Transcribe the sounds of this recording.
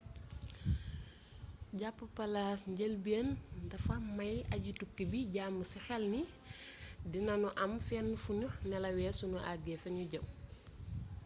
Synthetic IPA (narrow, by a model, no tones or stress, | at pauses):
ɟapːəpɐlaːsɲɟəlbeːndɐfɐmɐjɐɟutukːibiɟaːməsixɛlni | dinɐnuʔɐmfɛːnːufunuxnɛlɐwɛːsunuʔa̰ɡɛfɐɲuɟɐm